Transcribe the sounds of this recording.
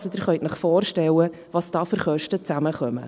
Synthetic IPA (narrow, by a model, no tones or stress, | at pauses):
sɔd̥̪ɪɾχœjtnəχfoːrʃtɛwə | ʋɑsd̥ɑːfʏɾχœʃtət͡sæməχœmə̰